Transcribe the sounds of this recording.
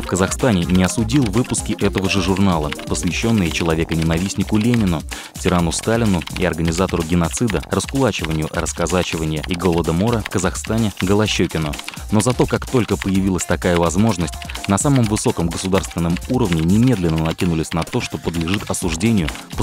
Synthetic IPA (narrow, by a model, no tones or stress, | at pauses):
fkəzɐxst̪anʲɪnʲɪɐsʊdʲilˠvɨpʊskʲɪʔɛt̪əvəʐɨʐʊrnalˠəpəsvʲɪɕːo̞nːɨjət͡ɕɪlˠɐvʲe̞kənʲɪnɐvʲisʲnʲɪkʊlʲenʲɪnʊ | tʲɪɾanʊst̪alʲɪnʊḭɐrɡənʲɪzat̪əɾʊɡʲɪnɐt̪sɨd̪ərəskʊlˠat͡ɕɪvənʲɪjʊrəskazat͡ɕɪvənʲɪjəiɡo̞lˠəd̪əmo̞ɾəfkəzɐxst̪anʲɪɡəlˠɐɕːɵkʲɪnʊ | no̞zɐt̪o̞kakt̪o̞lʲkəpəjɪvʲilˠəsʲt̪ɐkajəvɐzmo̞ʐnəsʲtʲnɐsaməmvɨso̞kəmɡəsʊd̪arst̪vʲɪnːəmuɾəvnʲɪnʲɪmʲe̞d̪lʲɪnːənɐkʲinʊlʲɪsʲnɐt̪o̞ʂt̪o̞pəd̪lʲɪʐɨt̪ɐsʊʐdʲenʲɪjʊpə